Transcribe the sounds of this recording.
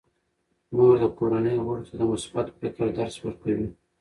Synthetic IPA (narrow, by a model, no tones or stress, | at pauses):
muɡd̪əkoɾanəjmoɽt̪ad̪əmʊsbat̪pɪkəɾd̪aɾswəɾkawi